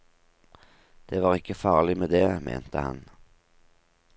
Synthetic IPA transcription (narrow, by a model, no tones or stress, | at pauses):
d̪̥eːʋɑːʁɪkːəfɑːʁlɪmeːd̪eːmʔḛːnt̪ʰəhɑ̰n